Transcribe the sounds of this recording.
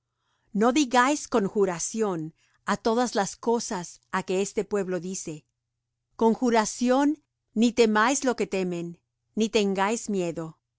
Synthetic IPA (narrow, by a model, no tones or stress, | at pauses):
no̞ðiɣajsko̞ŋxuɾasjo̞n | at̪o̞ðazlasko̞sasake̞est̪e̞pwe̞βlo̞ðise̞ | ko̞ŋxuɾasjo̞nː | it̪e̞majzlo̞ke̞t̪e̞me̞nː | it̪e̞ŋɡajzmje̞ðo̞